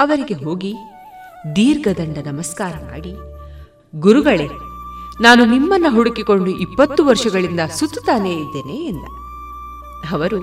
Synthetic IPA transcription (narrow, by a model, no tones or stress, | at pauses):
ɐʋɐɾiɡe̞ɦo̞ːɡi | d̪iːɾɡɐd̪ɐɳɖɐnɐmɐskaːɾɐma̰ːɽi | ɡuɾuɡɐɭenaːnunimːɐnːɐɦuɽukiko̞ɳɖuʔipːɐt̪ːuʋɐɾʂɐɡɐɭind̪ɐsut̪ːu̥t̪aːneid̪ːeːneːnd̪ɐ | ɐʋɐɾu